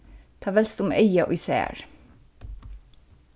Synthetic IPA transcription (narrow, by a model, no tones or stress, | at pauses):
t̪ʰɑːʋɛlst̪ʊmœʏɑʔɔ̰ʏsḛːɹ